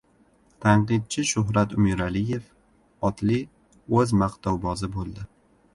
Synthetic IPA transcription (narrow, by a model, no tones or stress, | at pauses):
t̪ʰaɴqɨd̪̚t͡ʃʰɪʃʊɦɾat̪ʊmɪɾalɪje̞f | ɒt̪ʰlɪ | ɵzmaqt̪ʰɒwbɒzɪbolˠd̪ɪ